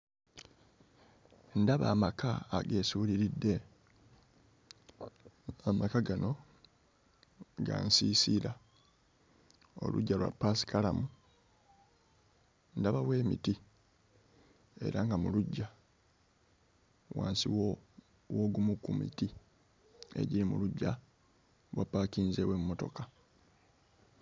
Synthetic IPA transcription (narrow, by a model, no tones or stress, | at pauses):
ndaβa̰ːmakaːɡe̞ːsuːliɾidːe̞ | amakaɡano̞ | ɡa̰nsiːsiɾa | o̞̰lṵɟːalwa̰pːasi̥kalamu | ndaβawe̞ːmḭti | e̞̰ɾaŋɡamuluɟːa | waːnsiwo | woɡumukumḭti | e̞̰ɟiɾimṵluɟːa | βwapːaːkiːnze̞ːwe̞mumo̞to̞̰ka